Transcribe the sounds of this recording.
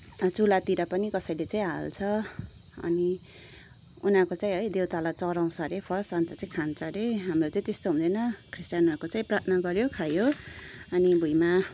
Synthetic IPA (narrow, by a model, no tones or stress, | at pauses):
t͡sulat̪iɾʌpʌnikʌsʌjlet͡saĩɦalt͡sʰʌ | ʌ̰ni | unakot͡saĩɦʌjd̪ewt̪alat͡sʌɾaw̃sʰʌɾepʰʌsant̪ʌt͡saĩkʰant͡sʰʌɾeɦamrot͡saĩt̪est̪oɦũnd̪ʌjnʌkʰrisʈjanʌkot͡saĩprat̪ʰnʌɡʌɾjokʰajoʌnibʱujma